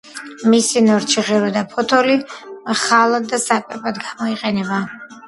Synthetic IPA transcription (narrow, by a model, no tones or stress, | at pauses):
misinɔɾt͡ʃʰiʁɛɾɔd̪apʰɔt̪ʰɔliχalˠad̪ːasakʼɛpʼad̪ɡamɔiqʼɛnɛba